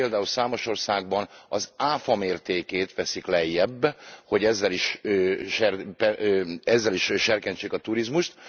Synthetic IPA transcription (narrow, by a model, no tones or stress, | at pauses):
eːld̪aːulsaːmo̞ʃo̞rsaːɡ̚bɒnɒzaːfɒmeːrt̪eːkeːt̪ʋɛsiklɛjːɛbːho̞ɟɛzːɛliʃøʃɛrpɛɛzːɛliʃʃɛrkɛɲt͡ʃeːkɒt̪uɾizmuʃt̪